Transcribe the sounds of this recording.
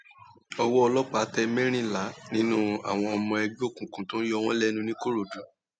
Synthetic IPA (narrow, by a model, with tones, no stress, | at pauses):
ɔ˧wɔ˦ɔ˧lɔ˦k͡pa˦˨˦tɛ˧mẽ˦ɾ̃ĩ˦˨la˨˦nĩ˦nũ˦a̰˨w̃ɔ̃˧ɔ˧mɔ̃˧ɛ˧ɡ͡bo˦˨kũ˨kũ˨˦tõ˨˦jɔ˦˧w̃ɔ̃˦lɛ˦nũ˧nĩ˦ko˦ɾo˨dũ˨˦